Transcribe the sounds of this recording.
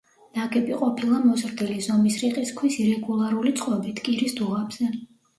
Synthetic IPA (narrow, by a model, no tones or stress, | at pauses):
n̥aɡɛpʼiqʼɔpʰilˠamɔzɾd̪ilizɔmisɾiqʼiskʰwisiɾɛɡulˠaɾulit̪sʼqʼɔbit̪ʰkʼiɾisd̪uʁabz̥ɛ